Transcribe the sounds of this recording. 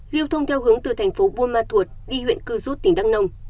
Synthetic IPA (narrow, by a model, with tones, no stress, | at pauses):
li˧əwt̪ʰə˧wŋ͡mt̪ʰɛ˧wɦɨ˨˦əŋt̪ɨ˨˩t̪ʰɛ˨˩jŋ̟fo˨˦ɓu˧əmaː˧t̪ʰu˨˩ət̚ɗi˧hwḭ˧˨ənkɨ˧zu˦˥t̚t̪ï˨˩ŋ̟ɗa˦˥ŋ̚nə˧wŋ͡m